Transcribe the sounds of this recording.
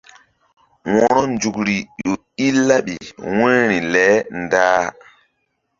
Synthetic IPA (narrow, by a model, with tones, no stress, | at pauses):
wɔ˨ɾɔ˦nd͡ʒu˨kɾi˨ɗo˨ | i˦lːa˦ɓḭ˨wẽ˦ɾi˨lɛ˨˦ndaː˦